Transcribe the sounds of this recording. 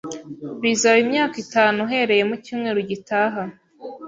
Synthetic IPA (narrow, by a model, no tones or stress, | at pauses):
βiːzaβimɲaːkitaːnuɦe̞ɾe̞je̞mucuːmŋe̞ːɾuɟitaːɦa